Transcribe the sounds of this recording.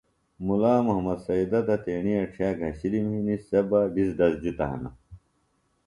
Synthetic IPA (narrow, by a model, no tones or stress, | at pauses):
mulaːmuɦɐmɐd̪sɐid̪ɐt̪ɐt̪eːɳiɐʈ͡ʂʰijaːɡʱɐɕilimhinisebaɖisd̪ɐsd͡ʑit̪ɐ̰ɦɐ̰nɐ̰